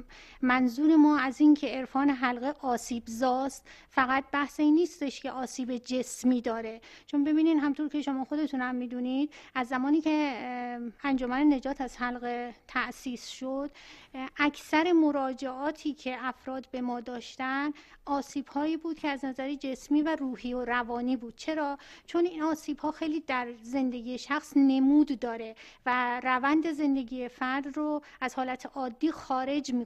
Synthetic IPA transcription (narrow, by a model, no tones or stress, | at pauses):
mænzuːɾe̞mɒːæziːncʰe̞eɾfɒːneɦælɣeʔɒːsiːbzɒːst̪fæɣæt̪̚bæhseniːst̪e̞ʃceʔɒːsiːbed͡ʒe̞smiːd̪ɒːɾe̞ | t͡ʃʰo̞nbe̞biːniːd̪ɦæmt̪ʰoɾkʲcʰe̞ʃo̞mɒːxo̞d̪e̞t̪ʰunhæmːiːd̪unid̪̥̚æzːæmɒːniːcʰe̞ | ænd͡ʒomænene̞d͡ʒɒːt̪ʰæz̥hælɣet̪ʰæʔsiːsʃod̪̥æcʰsæɾe̞mo̞ɾɒːd͡ʒe̞ʔɒːt̪ʰiːcʰe̞ʔæfɾɒːd̪be̞mɒːd̪ɒːʃt̪ænʔɒːsiːb̥hɒːiːbuːd̪̥cʰeæznæzæɾed͡ʒe̞smiːværuːɦiːoɾævɒːniːbuːd̪̥̚t͡ʃʰe̞ɾɒːt͡ʃʰo̞ninɒːsiːbhɒːxe̞jliːd̪æɾze̞nd̪e̞ɡiːjeʃæxsne̞muːd̪ːɒːɾe̞værævænd̪e̞ze̞nd̪e̞ɡiːjefæɾd̪roæzhɒːlæt̪ʰeʔɒːd̪ːiːxɒːɾe̞d͡ʒmi